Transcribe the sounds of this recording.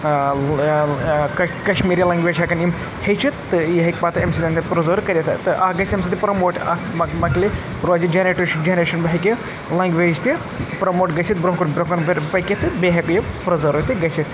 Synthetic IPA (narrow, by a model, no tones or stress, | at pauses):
kɐkɐʃmiːɾilɐŋɡʋeːd͡ʒɦɐkɐnim | hɐjt͡ʃʰit̪ːɨiɦɐkʲpaːt̪ɨemsit̪ɐnd̪ɐpɾɐzɐɾkɐɾʲjit̪ʰɨt̪ɨʔɐɡɐsemsit̪ipɾɐmoːʈɐmɐkli | ɾod͡ʒid͡ʒeneʈd͡ʒenɾeːʃɐnbɐɦiki | lɐŋɡʋeːd͡ʒt̪i | pɾɐmoːʈɡɐsʰit̪̚bɾoɦkɐnbɾoɦkɐnbɐpɐjkʲit̪ɨbeɦɐbpɾɐzɐɾoːt̪iɡɐsʰit̪